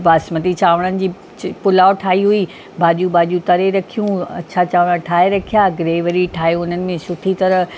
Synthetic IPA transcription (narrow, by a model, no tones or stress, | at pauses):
ʋaːsmət̪it͡ɕaːʋəɽ̃ənɪ̆d͡ʑiː | pʊlaːoʈʰaːɦiɦui | bʱaːʄũbaːʄũt̪ɐɾeɾɐkʰijũɐ̰t͡ɕʰat͡ɕaːʋəɽ̃aʈʰaːeɾɐkʰijaːɡɾeːʋəɾiʈʰaːiʊn̤ənɪ̆mẽsʊʈʰit̪ɐɾə